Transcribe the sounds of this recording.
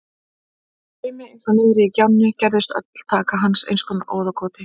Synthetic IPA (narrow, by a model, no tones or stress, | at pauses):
ɪːmɪejnsɔnɪːðɾɪicawnːʏcɛɾðɪst̪œ̰t̪l̥t̪ʰaːkaɦansḛjnskʏnaʔoːwðakʰɔːt̪ɪ